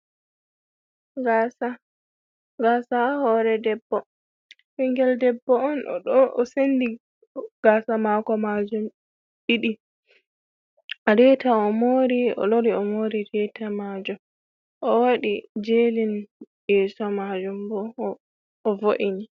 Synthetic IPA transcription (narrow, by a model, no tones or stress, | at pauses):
ɡasa | ɡasahɔɾɛdɛbːɔ | fiŋɡɛldɛbːɔɔnɔ̰ɗɔʔɔsendi | ɡ̥asamaːkɔmad͡ʒum | ɗiɗi | aɾɛtaɔmoɾiɔ̰loɾiɔmoɾiɾɛtʰamad͡ʒum | ʔɔwaɗid͡ʒelin | jɛsɔmad͡ʒumbɔː | voʔini